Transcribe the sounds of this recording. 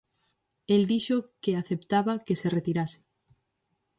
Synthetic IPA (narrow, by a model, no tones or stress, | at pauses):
eld̪iʃokeaθept̪aβakeseret̪iɾase̥